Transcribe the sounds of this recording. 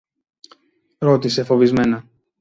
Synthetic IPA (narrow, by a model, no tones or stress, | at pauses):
ɾo̞t̪ise̞fo̞vizme̞nɐ